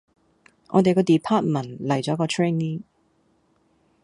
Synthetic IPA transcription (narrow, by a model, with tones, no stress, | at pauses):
ŋʔɔ̰ː˨˧t̪e˨jkɔː˧t̪i˨pʰaː˥t̚mɐ˨˩nlɐ˨˩jt͡sɔː˨˥kɔː˧t̪ʰɹeː˥nːi˥ŋ